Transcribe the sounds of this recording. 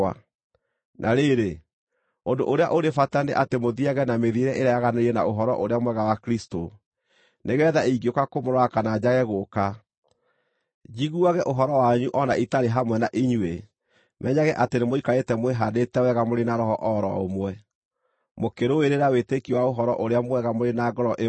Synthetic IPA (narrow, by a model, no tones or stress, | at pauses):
a̰ | nʔaɾeɾe | ondo̰ʔoɾeaʔoɾefatandeʔatemoðiaɣɛnameðieɾɛʔeɾaaɣaneɾiɛna̰oɦɔɾɔ̰ʔoɾeamwɛɣawakɾisto | neɣɛːðaiɡiokakomoɾakanad͡ʑaɣɛɣoka | d͡ʑiɣuaɣɛʔoɦɔɾɔwaɲuʔɔnaʔitaɾeɦamwɛnaʔiɲue | mʔɛɲaɣɛʔatenemoikaetɛmweɦadetɛwɛɣamoɾenaɾɔɦɔʔɔɾɔ̰o̰mwɛ | mokeɾoweɾeɾawetekiwaoɦɔɾɔʔoɾeamwɛɣamoɾenaɡɔɾɔʔe